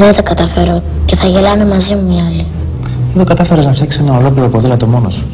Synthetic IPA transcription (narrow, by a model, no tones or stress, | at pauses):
ðent̪ɐkɐt̪ɐfe̞ɾo | ce̞θɐʝe̞lɐme̞mɐzimuiɐli | eðokɐt̪ɐfe̞ɾeznɐfjɐksi̥senɐo̞lo̞kliɾopoðilɐt̪o̞mo̞nosu̥